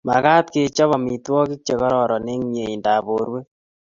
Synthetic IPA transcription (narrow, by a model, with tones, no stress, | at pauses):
ma̰˨kaː˦t̪ke˨˦t͡ʃɔ˦βɔ˨mi˨twɔ˦ki˦k̚t͡ʃe˨kɔ˦ɾɔ˨ɾɔ˨ne˦ŋɲe˨i˨nda˨bo˨ɾwe˦